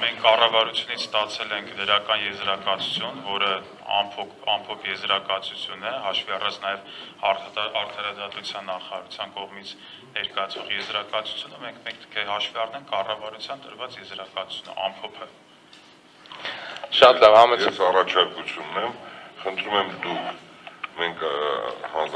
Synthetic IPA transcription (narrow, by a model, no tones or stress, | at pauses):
mɛŋkʰkːɑrɑvɑɾut͡sʰjunit͡sʰst̪ɑt͡sʰɛlɛŋkʰd̪əɾɑkɑnjɛzɾɑkɑt͡sʰu̥t͡sʰjunvɔɾə | ɑ̰mpʰɔpʰɑmpʰɔpʰjɛzɾɑkɑt͡sʰut͡sʰjunɛɦɑʃviɑrɑt͡sʰnɑjɛv | ɑɾt̪ʰɑɾɑd̪ɑt̪ut͡sʰjɑnːɑχɑɾɑ̰ɾut͡sʰjɑnkɔʁmit͡sʰ | nɛɾkɑjɑt͡sʰvɔʁjɛzɾɑkɑt͡sʰu̥t͡sʰjunəmɛŋkʰmɛŋkkəɦɑʃviɑrnɛŋkʰːɑrɑvɑɾut͡sʰjɑnt̪əɾvɑt͡sjɛzɾɑkɑt͡sʰu̥t͡sʰjunə̰ʔɑmpʰɔpʰə | ʃɑt̪lɑvɑmɛɛsɑrɑt͡ʃʰɑɾkut͡sʰjunːɛmχənt̪ʰɾumɛmd̪ukʰ | mɛŋkʰhɑnz